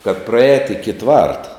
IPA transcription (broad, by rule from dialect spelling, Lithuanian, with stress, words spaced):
kɐt prɐˈɛːt ɪkʲɪ ˈtʋɐrtɐ